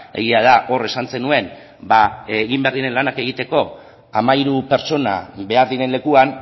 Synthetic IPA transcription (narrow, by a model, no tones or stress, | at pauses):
e̞̰ɣiað̞aʔo̞re̞sanse̞nue̞n | baɣimbeɾðiɾe̞nlanake̞ɣ̞it̪e̞ko̞ | amaiɾupe̞ɾt͡so̞na̰βe̞aɾðiɾe̞nle̞kuan